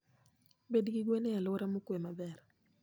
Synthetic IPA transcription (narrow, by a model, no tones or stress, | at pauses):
bedɡiɡwenealoɾamokwemabɛɾ